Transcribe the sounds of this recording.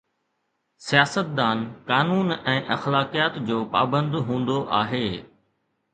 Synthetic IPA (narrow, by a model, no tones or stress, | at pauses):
sijaːsət̪̚d̪aːnkaːnuːnɛ̃ːʔɐxlaːkijaːt̪d͡ʑoːpa̰ːbə̃nd̪ɦũːn̆d̪oʔaːɦeː